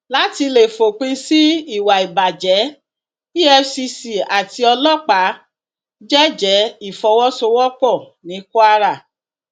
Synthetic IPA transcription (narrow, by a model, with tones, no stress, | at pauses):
la˨˦ti˧le˨fo˨k͡pĩ˧si˦i˦˨wa˨i˨ba˨d͡ʒɛ˨˦ | i˦ɛ˧si˧si˨a˨ti˧ɔ˧lɔ˦k͡pa˨˦ | d͡ʒɛ˦d͡ʒɛ˨˦i˦˨fɔ˧wɔ˦so˧wɔ˦k͡pɔ˦˨ | nĩ˨˦ku˦a˦ɾa˦˨